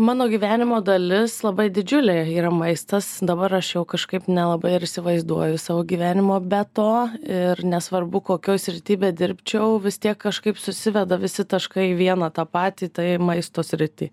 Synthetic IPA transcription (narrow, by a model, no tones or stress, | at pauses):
mɑːnoːɡʲiːʋʲæːnʲɪmoːd̪ɐlʲɪslˠɐbɐɪd̪ʲɪd͡ʒʲʊlʲeiːɾɐmɐɪst̪ɐsd̪ɐbɐɾɐʃjɛʊkɐʃkɐɪpnʲɛlˠɐbɐɪɪɾɪʃsʲɪʋɐɪzd̪uɔjʊsɑːʋoːɡʲiːʋʲæːnʲɪmoːbʲɛt̪oːɪrnʲɛsʋɐrbʊkoːkʲoːjsʲɾʲɪt̪ʲiːbʲɛːd̪ʲɪɾʲpʲt͡ʃʲɛʊʋʲɪst̪ʲiɛkːɐʃkɐɪpsʊsʲɪʋʲɛd̪ɐʋʲɪsʲɪt̪ɐʃkɐɪʋʲiɛnɑːt̪ɑːpɑːt̪ʲiːt̪ɐɪmɐɪst̪oːsʲɾʲɪt̪ʲɪː